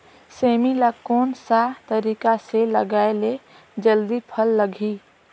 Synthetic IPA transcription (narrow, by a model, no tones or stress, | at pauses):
seːmilakɔːnsat̪əɾiːkaseləɡaːele | d͡ʒəld̪ipʰəlːəɡʱiː